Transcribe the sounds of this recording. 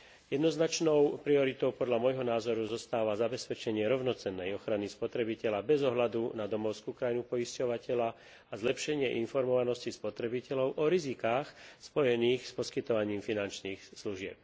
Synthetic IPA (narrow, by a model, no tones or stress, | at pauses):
jɛd̪nɔznat͡ʃnɔʊpɾiɔɾit̪ɔʊpɔd̪ʎamɔjɦɔnaːzɔɾuzɔst̪aːʋazabɛspɛt͡ʃɛɲɪɛɾɔʊnɔt͡sɛnːɛjɔxɾanispɔt̪ɾɛbicɛʎabɛzɔɦlad̪unad̪ɔmɔʊskukɾajnupɔiscɔʋacɛʎa | azlɛpʃɛɲɪɛʔinfɔɾmɔʋanɔscispɔt̪ɾɛbicɛʎɔʊʔɔɾizikaːxspɔjɛniːxspɔskit̪ɔʋaɲiːmfinant͡ʃniːxsluʒɪɛ̰p̚